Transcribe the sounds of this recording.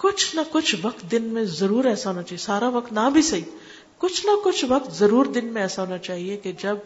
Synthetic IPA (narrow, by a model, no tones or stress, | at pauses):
kʊt͡ʃʰnakʊt͡ʃʰʋɐk̚t̪̚d̪ɪnmẽzɐɾuːɾɛːsaɦoːnat͡ʃaːɦiesaːɾaʋɐk̚t̪nabʱisɐɦi | kʊt͡ʃʰnakʊt͡ʃʰʋɐkt̪zɐɾuːɾd̪ɪnmẽɛːsaɦoːnat͡ʃaːɦieked͡ʒɐb̚